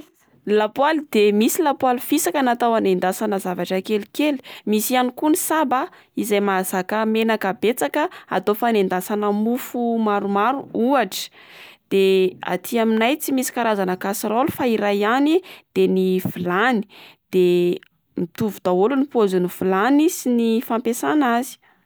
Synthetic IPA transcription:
lapwald̪emisilapwalifisakənat̪awanend̪asanəzavaʈ͡ʂəkelikeli̥misianikunisaba | izajmazakəmenakəbet͡sakəa̰t̪ofanend̪asanəmufumaɾumaɾuuaʈ͡ʂə̥ | d̪̥ea̰t̪ʰiaminajt͡simisi̥kaɾazanəkasɾolufaiɾajanid̪̥enifulani̥d̪̥e | mit̪uvud̪aolunipozunifulanisinifampesanazi̥

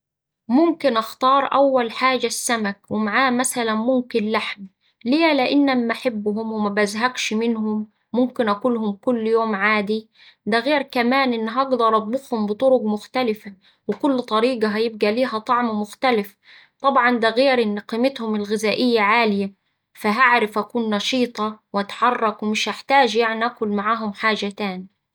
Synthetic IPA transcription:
mʊmkɪnʔɑxt̪ɑːɾˤʔawːælħaːd͡ʒasːæmækwɪmaʕaːmæsælænmʊmkɪnlaħm | leːlɪʔɪnːamːaħɪbːɦʊmwɪmæbʔazɦæɡʃmɪnɦʊmː | ʊmkɪnʔækuːlhʊmkʊlːjoːmʕaːd̪i | d̪æɣeːɾkæmaːnʔɪnːɦɑɡd̪ɑɾˤʔɑd̪̚ˤbʊxhʊmbɪt̪ˤʊɾʊɡmʊxt̪ælɪfa | wɪkʊlːt̪ˤɑɾiːɡɑɦæjɪb̚ɡæliːɦæt̪ˤɑʕmmʊxt̪alɪf | t̪ˤɑbʕɑnd̪æɣeːɾʔɪnːqiːmɪt̪hʊmɪlɣɪzaːʔɪjːaʕaːlɪja | faɦaʕɾɪfʔækuːnːɑʃiːt̪ˤɑwʔat̪ħɑrˤːɑkwɪmɪʃhaħt̪aːd͡ʒjaʕniʔakʊlmaʕaːɦʊmħaːd͡ʒat̪aːn

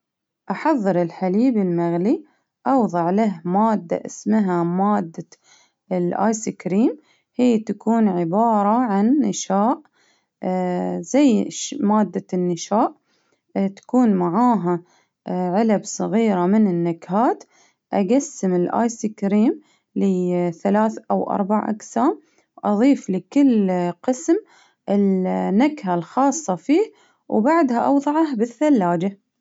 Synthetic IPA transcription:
ʔaħɑðˤːɨɾɪlħaliːbɪlmaɣli | ʔɑwðˤɑʕlaɦmaːd̪ːa̰ʔɪsmɦamaːd̪ːa | ɪlʔa̰ːjsikɾiːm | hiːt̪akuːnʕɪbɑːɾˤɑʕanːɪʃaːʔ | zajʃmaːd̪ːanːɪʃaːʔ | t̪ḁkuːnmaʕaːɦa | ʕɪlabsˤɨɣiːɾamɪnɪnːakɦaːt̪ | ʔaɡasːɪmɪlʔa̰ːjsiːkɾiːm | liθalaːθʔawʔɑ̰ɾˤbaʕʔa̰qsaːm | wʔɑðˤiːflɪkɪlːqɨsm | ʔɪlnːakhalxɑːsˤːɑfiːh | wbaʕd̪haʔɑwðˤɑʕɑhbɪθːalːaːd͡ʒa

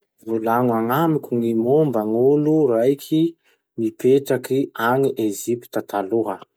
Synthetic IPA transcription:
vulaŋaŋamikʲuŋimombəŋuluɾajkʲʰi | mipeʈ͡ʂakiaŋiʔezipi̥t̪at̪ʰaluɦə

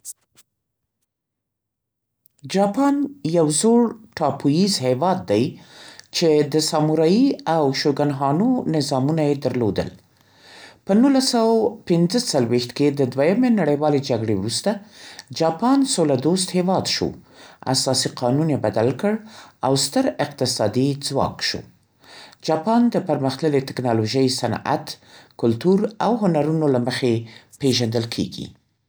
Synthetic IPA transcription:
d͡ʒɑpɑnjawzoɽʈɑpʰujizhewɑd̪̚ːajt͡ʃed̪əsɑmuɾɑjiawʃoɡanɦɑnonɪzɑmunajed̪əɾlod̪ə̰l | pənulasawapɪnzət͡salwext̪ked̪əd̪wajamenaɽəjwɑled͡ʒaɡɽḛwɾust̪ad͡ʒɑpɑnsolad̪ost̪hewɑd̪ʃo̰a̰sɑsiqʰɑnunjebad̪alkəɽawst̪əɾɪq̚t̪ɪsɑd̪id͡zwɑ̰kʃo̰ | d͡ʒɑpɑnd̪əpəɾməxt̪ləlet̪ɪknɑloʒəjsana̰t̪kʊlt̪uɾawɦʊnaɾunolaməxepeʒand̪əlkʰḛɡḭ

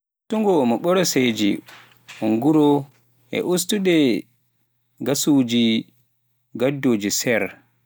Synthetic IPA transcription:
utuŋɡɔmɔɓɔɾɔsed͡ʒi | huŋɡuɾɔ | ʔɛ̰ʔustuɗɛ | ɡasud͡ʒi | ɡadːoːd͡ʒisɛɾ

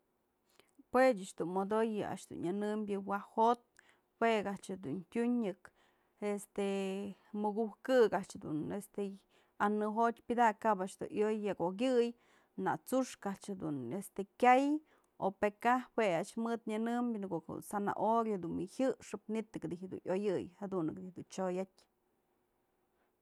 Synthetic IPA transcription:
pwet͡ʃaʔt͡ʃd̪unmod̪ojɨa̰ʔʂd̪ṵnɲɨnɨmbʲjɨwahot̪̚ | weɡat͡ʃɨd̪untʲuɲːɨk | est̪emɨɡuhkɨkaʔt͡ʃd̪ṵnest̪e | anɨɦot̪ʲpʲɨd̪akabaʔʂd̪ṵʔjojːakoɡ̬ʲɨj | na̰t͡suʂkaʔt͡ʃad̪ṵnest̪ekʲaj | opekaweaʔt͡ʃmɨd̪ɲɨnɨmbʲnkoʔkṵsana̰ʔoɾjod̪unmihɨʂɨp̚nit̪ɨkd̪ihd̪ṵnʔjojɨjhad̪unɨkd̪ihd̪unt͡ʃojatʲ

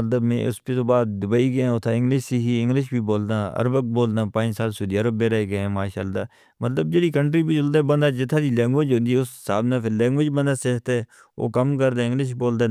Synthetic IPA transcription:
ət̪ləbmḛ̃ːʔʊ̰spet̪oːbaːd̪̚d̪ʊbəːiːɡəãːʊt̪ʰaːɪ̃ŋɡlɪʃsiːɦiːɪ̃ŋɡlɪʃbiːboːld̪aːə̰ɾbək̚boːld̪ãːpãːnsaːlsʊːd̪iːaːɾəbẽːɾəɦeːɡəẽːmaːʃaːld̪aː | mət̪ləb̚d͡ʒeːɽiːkəɳʈɾiːbiːd͡ʒʊld̪eːbənd̪aːd͡ʒɪt̪ʰːaːd̪iːlɛ̃ːŋɡʋẽd͡ʒɦõnd̪iːʊssaːbnãːpʰɪɾlɛːŋɡʋɪd͡ʒbənd̪aːseːkt̪eː | o̰ːkəmkəɾd̪ẽːɪ̃ŋɡlɪʃboːld̪eː

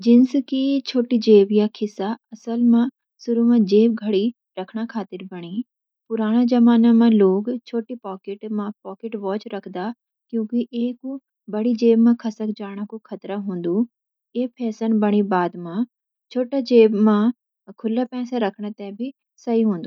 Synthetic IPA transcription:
d͡ʒɪnskit͡ʃʰoːʈid͡ʒeːbjakʰɪsaɐsəlmã | sʊɾumãd͡ʒeːbɡʱɐɽi | ɾɐkʰɽ̃akʰaːt̪ɪɾbɐɽ̃i | pʊɾaːɽ̃ad͡ʒɐmaːnamãloːkt͡ʃʰoːʈipaːkɪʈmãpɔːkɪʈʋɔːt͡ʃɾɐkʰd̪aː | kjõːkiʔeːku | bɐɽid͡ʒeːbmãkʰɐsəkd͡ʒaːɽ̃ãkukʰɐt̪ɾaɦũːn̆d̪u | eːpʰɛːsənbɐɽ̃ibaːd̪mã | t͡ʃʰoːʈad͡ʒeːbmã | kʰʊlapɛ̃ːsaɾɐkʰɽ̃ãt̪ɛ̃bʱi | sɐiɦõːnd̪uː

